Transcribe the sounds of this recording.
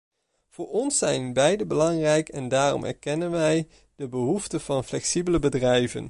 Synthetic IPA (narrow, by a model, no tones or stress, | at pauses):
v̥ʊːɹɔnsɛjnbɛjdəbəlɑŋrɛjkɛndaːrɔ̰mɛ̰ɹkɛnənʋɛj | d̥əbəɦuftəv̥ɑnflɛksibələbədrɛjvə̰n